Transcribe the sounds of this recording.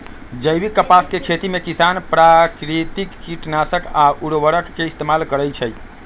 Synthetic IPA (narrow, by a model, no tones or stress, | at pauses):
d͡ʒəjbikːəpaskekʰet̪imekisanpɾakɾit̪ikːiʈnasəkauɽʋəɾəkːeist̪emalkəɾəjt͡ʃʰəj